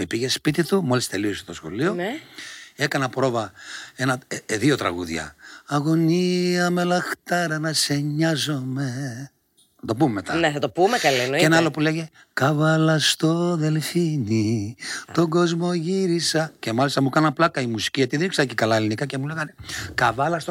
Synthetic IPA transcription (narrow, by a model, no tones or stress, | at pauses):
epiʝe̞spit̪it̪umo̞list̪e̞lioset̪o̞sxo̞̰lio̞ | ekɐnɐpɾo̞vɐe̞nɐðio̞t̪ɾɐ̰ɣṵðʝɐ̰ɐɣo̞niɐme̞lɐxt̪ɐɾɐnɐse̞ɲɐzo̞me̞ | ɐt̪o̞pumemet̪ɐneθɐt̪opumekɐlinoeenɐɐlo̞pule̞ʝe | kɐvɐlɐst̪o̞ðe̞lfinit̪o̞ɡo̞zmo̞ʝiɾisɐce̞mɐlist̪ɐmukɐnɐplɐkɐimusi̥ciʝɐt̪iðɾiksɐcekɐlɐelinikɐcemuleɣɐnekɐvɐlɐst̪o